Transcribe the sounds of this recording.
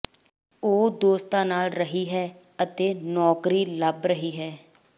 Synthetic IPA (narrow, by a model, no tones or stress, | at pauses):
oːd̪oːst̪ãːnaːlɾəɦiːɦɛː | ət̪eːnɔːkɾiːləbɾəɦiːɦɛː